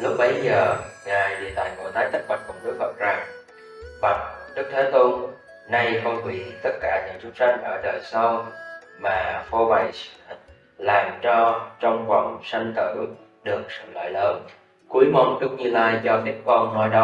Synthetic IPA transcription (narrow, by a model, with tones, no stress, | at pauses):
lʊ˦˥k͡p̚ɓə˨˦jzəː˨˩ŋaː˨˩jɗḭ˨ət̪aː˨˩jko̰˧˩t̪ʰaː˨˦jt̪ʰə˦˥t̚ɓa̰˧˨˩nkʊ˨˩ŋ͡mɗɨ˦˥ək̚və̰˧˨˩t̚za˨˩ŋ | va˨˩t̚ɗɨ˦˥k̚t̪ʰeː˨˦t̪o˧ | na˧jfə˧whwḭ˧˩t̪ə˦˥t̚kaː˧˩ɲɨ̰˧˥ŋt͡ɕʊ˨˦ŋ͡mt͡ɕa˧jŋ̟ʔəː˧˩ɗəː˨˩jsə˧w | maː˨˩fɔ˧va˧˩js | laː˨˩mt͡ɕɔ˧t͡ɕɔ˧wŋ͡mxwa̰˧˩ŋsa˧jŋ̟t̪ɨ˧˩ | ɗɨ˨˩ək̚sɨ̰˧˨lə̰ː˧˨jləː˨˦n | ku˨˦əjmɔ˨˦nɗʊ˦˥k̚ɲɨ˧laː˧jt͡ɕɔ˧t̪i˦˥ət̚kɔ˧nnɔ˧jɗɔ˨˦